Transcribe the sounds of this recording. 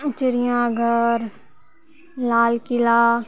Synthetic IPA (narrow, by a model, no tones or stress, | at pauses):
t͡ʃɪɾɪjãːɡʱəɾ | laːlkɪlaː